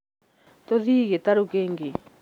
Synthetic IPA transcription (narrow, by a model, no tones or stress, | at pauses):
t̪oðiːɣet̪aɾukeːŋɡe